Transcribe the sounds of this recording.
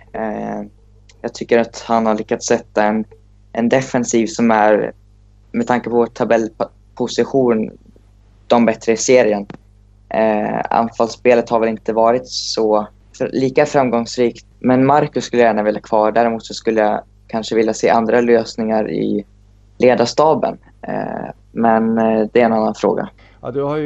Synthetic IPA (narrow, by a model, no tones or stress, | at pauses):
jɑːɡ̚t̪ʰʏkːəɾat̪hanhaɭʏkːat̪sːɛt̪ːaɛn | ʔɛnd̪ɛfɛnsiːvsɔmæɾ | mɛd̪t̪ʰaŋkəpʰɔt̪ʰabɛlː | pʰʊsɪɧuːn | d̪̥ɔmbɛt̪ːɾəɪseːɾɪən | a̰nfalspeːlət̪haɾvɛlɪnt̪əvɑːɾɪt̪sɔ | liːkafɾamɡɔŋsɾiːkt̪mɛnmaɾkɵskɵlːəjæːɳavɪlːakʰvɑːɖæːɾɪmuːt̪sɔskɵlːəja | kʰanʂəvɪljaseːʔand̪ɾaløːsnɪŋaɾɪ̰ | leːd̪aʂt̪ɑːbə̰n̰ | mɛnd̪ɛæɾɛnanːanfɾo̰ːɡa̰ | d̪a